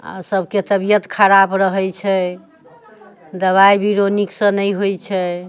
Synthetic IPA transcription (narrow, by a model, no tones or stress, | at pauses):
a̰səbʱket̪əbijət̪kʰəɾabɾəɦɛt͡ʃʰɛ | d̪əβajbiɾoniksə̃nəjɦojt͡ʃʰɛ